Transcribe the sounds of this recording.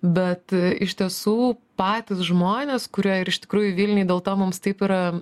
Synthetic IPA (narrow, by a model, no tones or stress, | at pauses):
bʲɛt̪ɪʃʲt̪ʲiɛsuːpɑːt̪ʲɪsʒmoːnʲeːskʊɾʲiɛɪɾɪʃt̪ʲɪ̥kɾuːjʊʋʲiːlʲnʲɪd̪ʲeːlˠt̪oːmʊmst̪ɐɪpiɾɐ